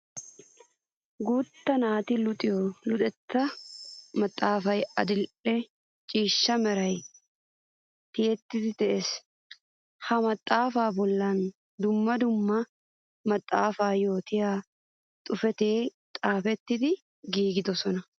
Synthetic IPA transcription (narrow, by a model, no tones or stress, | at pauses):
ɡuːt̪ːɐnaːt̪ilʊt̪ʼɪjlʊt̪ʼɛt̪ːɐ | mɐt̪ʼːaːfɐjɐd̪ɪlɛ | t͡ʃʼiːʃːɐmɛɾɐj | t̪ɪʔɛt̪ːɪt̪ɪt̪ɛʔɛs | hɐmɐt̪ʼːaːfaːbɔlːɐn | d̪ʊmːɐd̪ʊmːɐ | mɐt̪ʼːaːfaːjo̞ːt̪ɪja | t̪ʼʊfɛt̪eːt̪ʼaːfɛt̪ːɪt̪ɪ | ɡiːɡɪd̪ɔsɔnɐ